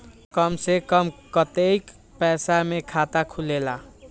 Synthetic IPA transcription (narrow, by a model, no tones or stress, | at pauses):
kʌmsekʌmkʌt̪ejk | pɛsamekʰat̪akʰulela